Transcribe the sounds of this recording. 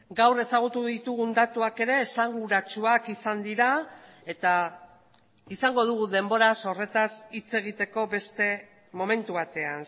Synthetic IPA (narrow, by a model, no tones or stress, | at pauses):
ɡawre̞saɣ̞ut̪uðit̪uɣund̪at̪uake̞ɾe̞ːsaŋɡuɾat͡ʃuakisand̪iɾa | e̞t̪a | isaŋɡo̞ðuɣ̞uðe̞mbo̞ɾaso̞re̞t̪asit͡se̞ɣ̞it̪e̞ko̞be̞st̪e̞ | mo̞me̞nt̪uβat̪e̞an